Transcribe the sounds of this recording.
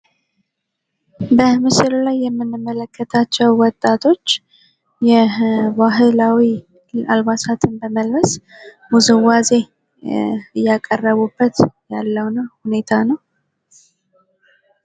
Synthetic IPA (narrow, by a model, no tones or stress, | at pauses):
bəmɨsɨllajːɛmːɨnːɨmːələkːət̪ʰat͡ʃːɛwwɔt̪ʼːat̪ʰo̞t͡ʃː | jɛβaɦɨlawi | alβasat̪ʰɨnbəməlβəs | muzɨwaze̞ | ɨjːakʼərːəβubːət̪jalːəwnhune̞t̪ʰanəw